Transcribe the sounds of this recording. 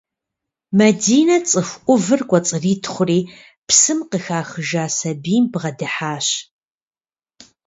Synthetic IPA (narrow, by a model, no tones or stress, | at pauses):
mɐdiːnɐt͡sʼɨxʷʔʷʊvɨrkʷʼɔt͡sʼɨriːtʰχʷʊriː | psɨmqəxaːxəʒaːsɐbiːmbʁɐdɨħaːɕ